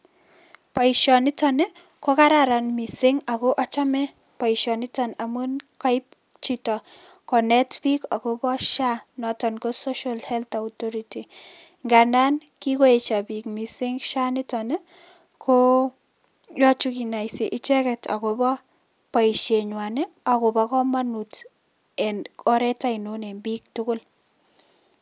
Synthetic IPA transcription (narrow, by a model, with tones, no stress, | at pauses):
pa˨iʃjɔnɪ˦tɔne˦ | ko˦ka˦ɾaɾa˨nmi˨sɪ˦ŋa˨ko˦ʔa˦t͡ʃa˦mɛ˦ | pa˨iʃɔnɪ˦tɔnamu˦nka˦i˦p̚ | t͡ʃitɔ˨ | kɔ˨nɛ˦tpi˦ka̰˨ko˦bɔ˦ʃa˦nɔ˨tɔ˨nko˦so˦ʃa˦lhɛ˦lt̪a˨otɔɾiti˨ | ŋɡa˨na˦n | ki˦ko˦e˨t͡ʃa˨pi˨k̚mi˨sɪ˦ŋʃa˦nɪ˦tɔne˦ | kʰo˦ | jɔ˦t͡ʃuki˨na˨jsi˨ʔɪ˦t͡ʃɛ˦kɛtʰa̰˨ko˨bɔ˦ | pa˨iʃe˨ɲwa˨ne˦ | a˨ko˨bɔ˦kɔ˦ma˦nu˨t | ɛ˨nʰɔ˦ɾɛ˦ta˦inone˨mbik̚tʊ˦kʊ˦l